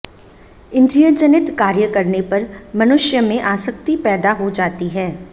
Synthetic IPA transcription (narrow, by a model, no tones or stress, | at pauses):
ɪ̃nd̪ɾijəd͡ʒənɪt̪kaːɾjəkɐɾnepɐɾmɐnʊʃjəmẽʔaːsəkt̪ipɛːd̪aɦod͡ʒaːt̪iɦɛː